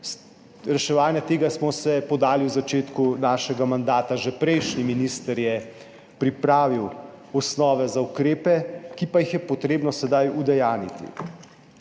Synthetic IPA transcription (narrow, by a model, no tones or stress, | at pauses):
ɾɛʃɛʋaːnjat̪eːɡasmɔsɛpɔd̪aːliwzat͡ʃeːt̪kunaːʃɛɡamand̪aːt̪aʒɛpɾɛjʃniminiːst̪əɾjɛ | pɾipɾaːʋiwɔsnɔːʋɛzaukɾeːpɛkipajixjɛpɔt̪ɾeːbnɔsɛd̪ajud̪ɛjaːnit̪ḭ